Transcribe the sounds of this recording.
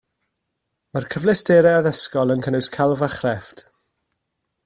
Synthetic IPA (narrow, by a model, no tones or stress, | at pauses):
markʰəvlɪsd̥eɾɛəðəskɔlˠənkʰənʊskʰalˠvaχrɛft